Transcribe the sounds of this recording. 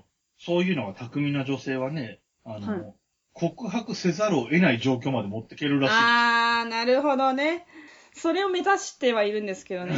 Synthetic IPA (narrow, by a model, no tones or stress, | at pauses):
so̞ːjɯ̟ːno̞ɡat̪ʰakɯ̟mʲĩnaʑo̞se̞ːβ̞ane̞ | ano | kʰo̞kɯ̟ɦakɯ̟se̞zaɾɯoʔe̞naiʑo̞ːk̬ʲo̞ːmad̪e̞mo̞t̪ːe̞̥ke̞ɾɯ̟ɾaɕainaɾɯ̟ɦo̞d̪o̞ne̞ | so̞ɾe̞o̞me̞zaɕi̥t̪e̞βaiɾɯ̟̃nd̪e̞sɨ̥ke̞d̪o̞ne